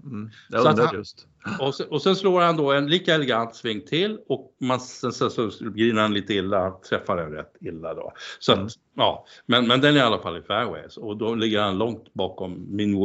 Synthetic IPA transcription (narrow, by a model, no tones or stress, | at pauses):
sɔat̪st̪ | ɔsɛɔsɛnsloːɾhand̪oɛnliːkaɛlɛɡant̪svɪŋt̪ʰɪlɔk̚mansɛnsɛsɔɡɾiːnəɾhanliːt̪əɪlːat̪ʰɾɛfːad̪ɛnɾɛ̰t̪ːɪlːad̪o̰sɔat̪ | ɑːmɛnmɛnd̪ɛnæɾjalːafalːɪfæɾwɛ̰jsɔd̪ɔlɪɡːəɾhanlɔŋt̪bɑːkɔmːɪn